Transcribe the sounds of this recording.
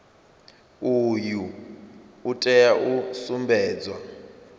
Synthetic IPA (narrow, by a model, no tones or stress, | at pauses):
ujuː | tʼɛjaʔusumbɛːd͡zwa